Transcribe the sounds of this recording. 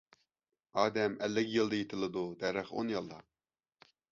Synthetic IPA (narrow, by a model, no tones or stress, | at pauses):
ɑːd̪ɛmɛlːɪkʲjɨlˠd̪ɑjet̪ʰɪlˠɨd̪ud̪ɛɾɪχo̰njɑlˠːɑ̰